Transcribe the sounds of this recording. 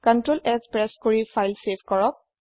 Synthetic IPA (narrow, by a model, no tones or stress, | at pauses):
kɔntɹolɛɡspɹɛskoɹifʰajlsebʱkɔɹɔk̚